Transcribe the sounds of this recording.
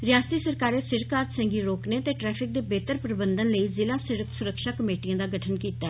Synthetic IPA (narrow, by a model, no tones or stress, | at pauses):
ɾɪjaːst̪iːsəɾkaːɾeːsɪɾkaːɾsɛ̃ːŋɡiːɾoːkneːt̪eːʈɾɛːpʰɪk̚d̪eːbeːt̪əɾpɾəbənd̪ənləiːzɪlaːsɪɾəkʰsʊɾəkʃaːkəmeːʈijãːd̪aːɡəʈʰənkiːt̪aː